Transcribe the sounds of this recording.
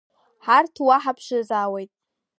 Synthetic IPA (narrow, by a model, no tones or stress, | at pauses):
ħartʰwaħapʰʃazaːwejtʼ